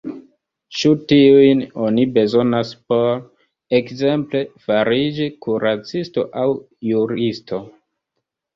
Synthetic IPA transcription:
ʃutiujno̞nibe̞zo̞naspo̞ɾ | ekze̞mple̞faɾid͡ʒikuɾat͡sisto̞̰ʔaw | juɾisto̞

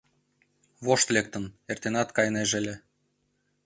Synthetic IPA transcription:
βoʃt̪lek̚t̪ə̆nert̪enɑt̪kɑjneʒelʲe

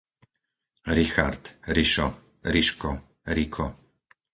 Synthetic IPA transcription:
ɾixa̰ɾt̪ɾiʃɔ | ɾiʃkɔ | ɾikʰɔ

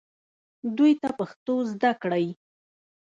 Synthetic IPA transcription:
d̪ujt̪apaxt̪ozd̪akɽaj

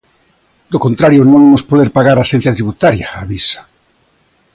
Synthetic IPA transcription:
d̪okont̪ɾaɾjonõŋemospoðeɾpaɣaɾaʃen̟θjat̪ɾiβut̪aɾjaːβisḁ

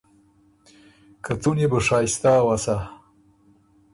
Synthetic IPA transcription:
kʰat͡s̪unebəʂɑːjst̪aːwasa

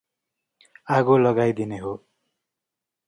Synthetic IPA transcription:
aɡolʌɡajd̪ineɦo

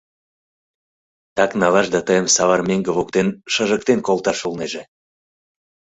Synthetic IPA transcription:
t̪ɑknɑlɑʃd̪ɑt̪əjəmsɑβɑrmeŋɡəβokt̪enʃəʒək̚t̪enkolˠt̪ɑʃulneʒe

